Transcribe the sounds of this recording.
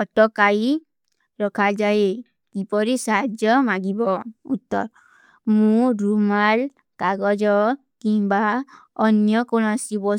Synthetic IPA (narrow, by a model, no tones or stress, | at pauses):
ɔʈɔkai | ɾɔkʰad͡ʒae | kipɔɾisaɦd͡ʒjɔmaɡibɔut̪ːɔ̰ɾ | mũɾumal | kaɡɔd͡ʒɔ | kimba | ɔnjɔkonasibɔ